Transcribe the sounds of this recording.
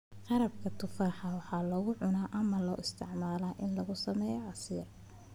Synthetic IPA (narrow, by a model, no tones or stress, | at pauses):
qɑɾɐb̚kʰɐt̪ʰʊfaːħɐwɑħɑːlɔɣʊʕʊnaːʔɐmɐlɔ̰ːʔɪst̪ʰɪʕmaːlaːʔɪnlɐɣʊsɐmɛːjɔʔɑsiːr